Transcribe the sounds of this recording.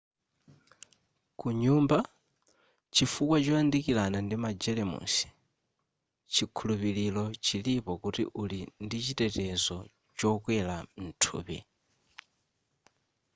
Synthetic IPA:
kuɲumba | t͡ʃifukwat͡ʃɔandikilanandimad͡ʒɛlɛmṵsi̥ | t͡ʃʰikʰulupililɔt͡ʃʰilipɔkutḭʔulindit͡ʃitɛtɛzɔ | t͡ʃɔkwɛlan̩tʰṵːpḭ

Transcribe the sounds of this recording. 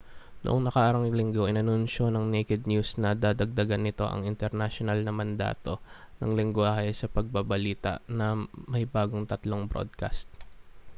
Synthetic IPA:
nʊ̰ʔoŋnɐkaʔaɾɐŋlɪŋɡoʔɪnɐnunʃo̞nɐŋnejkɛd̪̚njusnɐd̪ad̪ɐɡ̚d̪ɐɡanːɪt̪o̞̰ʔɐ̰ŋɪnt̪ɛɾnaʃonɐlnɐmɐnd̪a̰ːt̪o̞ | nɐ̰ŋlɪŋɡʊaːhɐsɐpɐɡ̚bɐbɐliːt̪ɐ̰ʔnɐmɐjbaːɡo̞ŋt̪ɐt̪lo̞ŋbɾo̰d̪̚ka̰st̪̚

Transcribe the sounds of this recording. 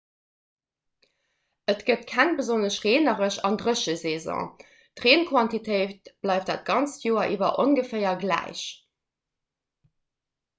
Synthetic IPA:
ətɡ̥ətkʰæŋbəzonəɕʁeːnəʁəɕɑ̰ndʁəɕəzeːzɔ̰̃ː | tʁeːnkʰwɑntitʰəɪt̚b̥lɑˑɪftd̥aːt̚ɡ̥ɑnt͡sjoːɐʔiːvɐʔonɡəfɜɪɐɡlæ̰ɪɕ

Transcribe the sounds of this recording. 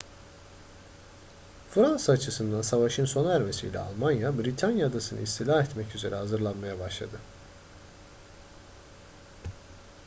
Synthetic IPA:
fɾansaːt͡ʃʰɯsɯnd̪ansavaʃɯnso̞naæɾme̞sḭjlʲɛ̰a̰lˠmanjabɾit̪ʰanjad̪asɯnɯ̰ist̪ʰilʲaɦɛt̪mɛcyze̞ɾɛɦhazɯɾlˠanmajabaʃlˠad̪ɯ

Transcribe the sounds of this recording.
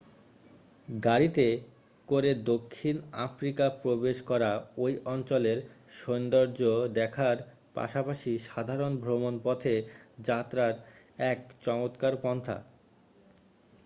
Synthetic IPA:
ɡaɾit̪e | koɾed̪okʰːina̰fɾikapɾobeʃkɔɾaojʔɔnt͡ɕoleɾʃond̪oɾd͡ʑod̪ɛkʰaɾ | pa̰ʃapaʃiʃad̪ʱaɾonbʱɾomonpɔt̪ʰed͡ʑat̪ːɾaɾ | ɛkt͡ɕɔmot̪kaɾpɔnt̪ʰa̰

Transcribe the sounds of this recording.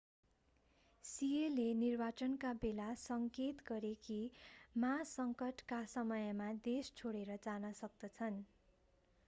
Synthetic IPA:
sielenirbat͡sʌnkabelasʌŋket̪ɡʌɾekimasʌŋkʌʈkasʌmʌjmad̪est͡sʰoɽeɾʌd͡zanʌsʌk̚d̪ʌt͡sʰʌn

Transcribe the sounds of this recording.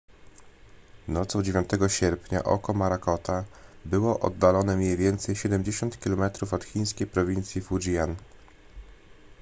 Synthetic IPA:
nɔt̪sɔ̃w̃d͡ʑevʲjɔnt̪ɛɡɔɕɛɾpʲɲa̰ʔɔ̰kɔmaɾakɔt̪abɘwɔʔɔ̰d̪ːalɔnɛmʲɲejvʲjɛnt̪sɛjɕɛd̪ɛmd͡ʑeɕɔnt̪kʲilɔmɛt̪ɾufɔt̪xʲij̃skʲejpɾɔvʲint̪sʲjifud͡ʑijan

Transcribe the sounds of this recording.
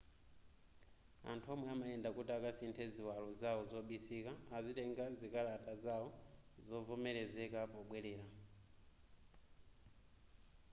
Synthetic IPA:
a̰ntʰuɔmwɛamaɛndakutiakasintʰɛziwalɔzaɔzɔɓisikaːzitɛŋɡazikalatʼazaɔzɔvumɛɾɛzɛkapɔɓwɛlɛːɾa

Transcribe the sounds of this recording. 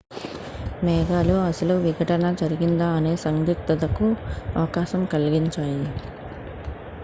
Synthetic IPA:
mɛːɡaːluɐsɐluʋiɡʱɐʈɐnɐd͡ʒɐɾiɡind̪aːne̞ːsɐŋd̪ik̚t̪ɐd̪ɐkuɐʋɐkaːʃɐmkɐlɡiɲt͡ʃaːji

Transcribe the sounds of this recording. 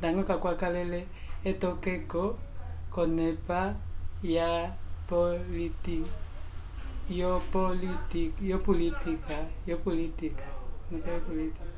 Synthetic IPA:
daŋɡɔkakwakalɛlɛ | ɛtɔkɛkɔkɔnɛpajapoliti | jopɔlitikjopolitikajɔpɔlitikanɛpajɔpolitik

